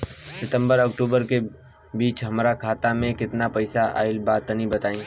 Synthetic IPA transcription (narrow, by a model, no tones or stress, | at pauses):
sɪt̪ə̃mbəɾɔkʈuːbəɾke | biːt͡ʃɦɐmɾakʰaːt̪amẽkɪt̪napɛɪsaʔa̰ːɪlbaːt̪ːənibɐt̪aːĩː